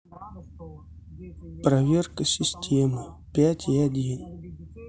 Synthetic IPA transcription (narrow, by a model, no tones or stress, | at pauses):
pɾɐvʲe̞rkəsʲɪsʲtʲe̞mɨpʲætʲɪadʲin